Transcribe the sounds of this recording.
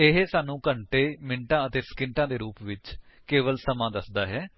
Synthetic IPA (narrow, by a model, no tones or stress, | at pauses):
ɪɦesaːnũːkəɳʈeːmɪɳʈãːət̪eːskɪɳʈãːd̪eːɾuːpʋɪt͡ʃkeːʋəlsəmãːd̪əsd̪aːɦɛː